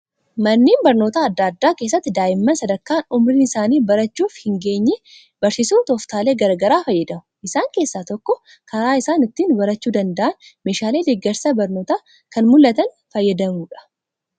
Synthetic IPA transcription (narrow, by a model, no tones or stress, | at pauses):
mɐnːiːnbɐɾno̞ːt̪aːd̪ːaːd̪ːaːke̞ːs̬ːɐt̪ːɪd̪aːjɪmːɐnsɐd̪ɐɾkːaːnʊmɾiːnɪsaːniːbɐɾɐt͡ʃːuːfhɪŋɡe̞ːɲːɛ | bɐɾsisuːt̪ɔft̪aːle̞ːɡɐɾɡɐɾaːfɐjːɐd̪ɐmʊ̥ʔɪsaːŋke̞ːsːaːt̪ɔkːɔ | kɐɾaːɪsaːnɪt̪ːiːnbɐɾɐt͡ʃːuːd̪ɐnd̪ɐʔɐnme̞ːʃaːle̞ːd̪eɡːɐɾsɐbɐɾnoːt̪aː | kɐnmʊlːɐt̪ɐn | fɐjːɐd̪ɐmuːᶑɐ̥